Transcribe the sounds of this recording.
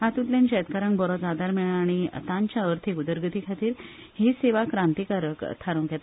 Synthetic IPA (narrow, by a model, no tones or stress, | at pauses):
ɦat̪ut̪lenɕɛt̪kaɾãŋkbɔɾɔd͡zad̪aɾmeɭãːɽ̃ḭt̪ãɲt͡ɕjaəɾt̪ʰikud̪əɾɡət̪ikʰat̪iːɾ | hiseʋakɾãnt̪ikaɾəkt̪ʰaɾũŋket̪